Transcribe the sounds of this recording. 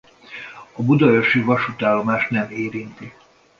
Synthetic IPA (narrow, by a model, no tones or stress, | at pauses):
ɒbud̪ɒoʃivɒʃut̪aːlːo̞maːʃt̪nɛmeːɾint̪i